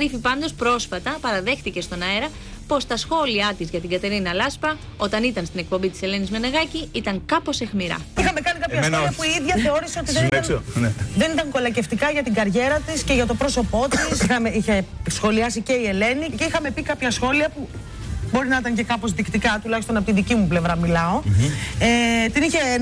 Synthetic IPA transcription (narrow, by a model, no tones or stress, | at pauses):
ɾifipɐnd̪o̞spɾo̞sfɐt̪ɐpɐɾɐðe̞xθice̞st̪o̞nɐeɾɐ | po̞st̪ɐsxo̞liɐt̪izʝɐt̪iŋɡɐt̪e̞ɾinɐlɐspɐ | o̞t̪ɐnit̪ɐnst̪inek̚po̞mbit̪ise̞le̞nizmenɐɣɐciit̪ɐŋkɐpo̞se̞xmiɾɐ̰ixɐme̞kɐnikɐpçɐssoliɐpuiiðʝɐθe̞o̞ɾiseo̞t̪iðeniɐ | ðe̞nit̪ɐŋko̞lɐce̞ft̪ikɐʝɐt̪iŋɡɐɾʝe̞ɾɐt̪isce̞ʝɐt̪o̞pɾo̞so̞po̞t̪isxɐmeiçesxo̞liɐsice̞ie̞le̞nice̞ixɐme̞pikɐpçɐsxo̞liɐpu | bo̞ɾinɐit̪ɐɲcekɐpo̞zðikt̪ikɐt̪ulɐçist̪onɐpot̪inðicimuple̞vɾɐmilɐo̞et̪iniçe